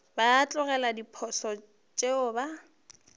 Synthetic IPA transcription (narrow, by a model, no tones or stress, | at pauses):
baːt͡ɬʼʊɣɛladipʰɔsɔ | t͡ʃʼeʊba